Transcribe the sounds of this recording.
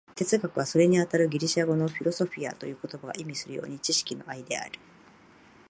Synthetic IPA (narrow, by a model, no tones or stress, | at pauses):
t̪e̞t͡sɨɡakɯ̟β̞aso̞ɾe̞ɲ̟iat̪aɾɯ̟ɡʲiɾʲiɕaɡo̞no̞ɸʲiɾo̞so̞ɸʲia̰t̪o̞jɯ̟ːkot̪o̞baɡa̰ʔimʲisɨɾɯ̟jo̰ːɲ̟it͡ɕiɕi̥kʲino̞̰ʔaid̪e̞a̰ɾɯ̟